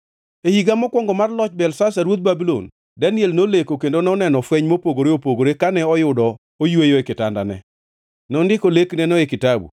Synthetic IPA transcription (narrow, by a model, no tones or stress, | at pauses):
ehiɡamɔkwɔŋɡɔmarlɔt͡ʃbɛlsasaɾwot̪̚babilo̰n | dɛnjelnolekokendonɛɔnɛnɔfwɛɲmopoɡoɾeopoɡoɾekanɛɔjʊdɔ | ojwejoekɪtanda̰nɛ̰ | nɔndɪkoleknɛnɔekɪtabṵ